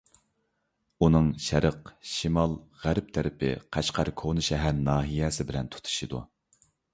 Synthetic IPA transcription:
unɨŋʃæɾəqʃimɑlˠʁæɾp̚t̪ʰæɾɪpʰɪ̰qʰæʃqʰɑɾkʰonuʃɛɦæɾnɑːɦijɛsɪbɪlɛnt̪ʰu̥t̪ʰu̥ʃɨd̪ṵ

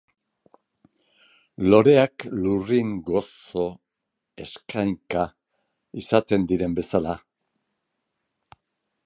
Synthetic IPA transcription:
lo̞ɾe̞akluriŋɡo̞so̞ | e̞skʰajŋka | isat̪e̞nd̪iɾe̞mbe̞sala

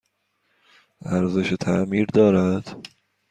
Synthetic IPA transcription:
æɾzeʃet̪ʰæmiːɾd̪ɒːɾæd̪̥

